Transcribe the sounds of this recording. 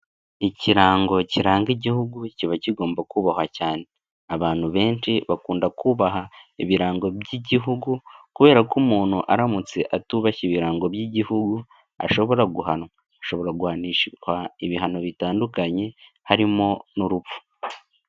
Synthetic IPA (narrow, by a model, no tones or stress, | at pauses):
iciɾaːŋɡo̞ciɾaːŋɡiɟihuɡuciβaciɡo̞ːmbakuːβahwacaːne̞ | aβaːn̥huβe̞ːnʃiβakuːndakuːβaɦaiβiɾaːŋɡo̞bɟiɟiɦuɡukuβe̞ːɾakumuːn̥huʔaɾamut͡se̞ʔatuːβaciβiɾaːŋɡo̞bjiɟihuɡu | a̰ʃo̞βo̞ɾaɡuhanwa | aʃo̞βo̞ɾaɡuhaniʃhaiβiɦano̞βitaːndukaɲe̞ | haɾimo̞nuɾufu̥